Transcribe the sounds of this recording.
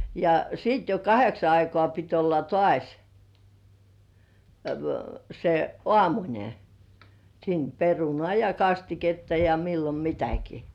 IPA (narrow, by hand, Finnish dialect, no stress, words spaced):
jɑ siːt jo kɑheksɑ ɑikoɑˑ pit olːɑ toɑˑsʲ se ŏɑˑmunʲe siːn perunoɑˑ jɑ kɑstiketːɑ jɑ milːom mitæki